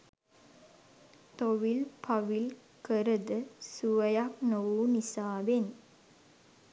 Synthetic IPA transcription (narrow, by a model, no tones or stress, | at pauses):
t̪oʋilpʰaʋil | kəɾəd̪əsuʋəjaknoʋunisaːʋen